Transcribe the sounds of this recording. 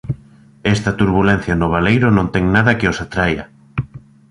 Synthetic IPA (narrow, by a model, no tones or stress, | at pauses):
ɛst̪ɐt̪uɾβulɛ̃n̟θjanʊβ̞alejɾʊnõnt̪ɛŋnaðɐkɪosat̪ɾajɐ̰